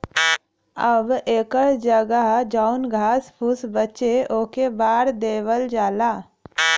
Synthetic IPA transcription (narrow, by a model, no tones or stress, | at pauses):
əbeːkəɽd͡ʒəɡəɦd͡ʒaːʊnɡʱaːspʰʊsbət͡ʃeʔoːkebaːɾd̪eːwəld͡ʒaːlaː